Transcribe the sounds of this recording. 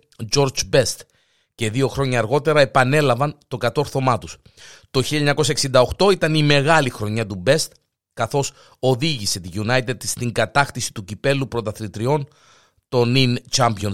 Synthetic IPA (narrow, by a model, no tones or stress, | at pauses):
d͡ʒo̞ɾd͡ʒbe̞st̪ | ce̞ðio̞xɾo̞ɲɐːɾɣo̞t̪e̞ɾɐe̞pɐne̞lɐvɐnt̪o̞kɐt̪o̞ɾθo̞mɐt̪us | t̪o̞çilʎɐɲɐko̞sɐeksind̪ɐoxt̪o̞it̪ɐnime̞ɣɐlixɾo̞ɲɐt̪ube̞st̪ | kɐθo̞s | o̞ðiʝise̞t̪iʝunɐjt̪ed̪st̪iŋɡɐt̪ɐxθisi̥t̪ucipe̞lupɾo̞t̪ɐθlit̪ɾio̞n | t̪o̞nint͡ʃɐmpio̞n